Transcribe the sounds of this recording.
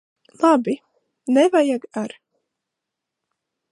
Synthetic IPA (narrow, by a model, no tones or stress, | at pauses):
lˠabi | nɛvajaɡaɾ